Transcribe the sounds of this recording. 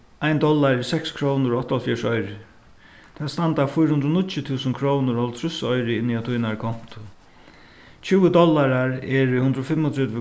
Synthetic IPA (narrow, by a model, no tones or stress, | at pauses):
aɪnd̪ɔlːaɾɪsɛkskʰɾoːnʊɾɔht̪ːaɔlfjɛʂɔʏɾɪ | t̪ʰɛst̪ant̪afʊjɾhʊnd̪ɾɔnɪt̪t͡ʃɪt̪ʰuːsənkʰɾoːwnʊɾɔlt̪ʰɾʏsɔjɾɪɪniat̪ʰujnaɹkʰɔm̥t̪ʊ | t͡ɕʰɪwəd̪ɔlːaɾaɹɛɹhʉnd̪ɾɔfɪmːɔt̪ʰɛt̪vɪ